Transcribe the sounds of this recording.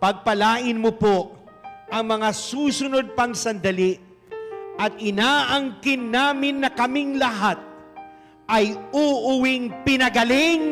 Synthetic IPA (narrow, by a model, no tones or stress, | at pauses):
pɐɡ̚pɐlaːʔɪnmopoʔ | ʔɐŋmɐŋasuːsʊno̞d̪̚pɐŋsɐnd̪ɐliʔ | ʔɐt̪̚ʔɪnaːʔɐŋkɪnːaːmɪnːɐkɐmɪŋlɐɦat̪̚ | ʔɐjuːʔʊwɪŋpɪnɐɡɐlɪŋ